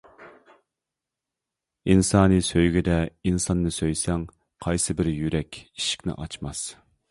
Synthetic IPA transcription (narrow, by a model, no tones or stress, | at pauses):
insɑːnɨsøjɡʲid̪ɛinsɑnːɨsøjsɛŋ | qʰɑjsɨbɪɾjyɾɛkʲiʃi̥kʲnɪ̰ʔɑt͡ʃmɑs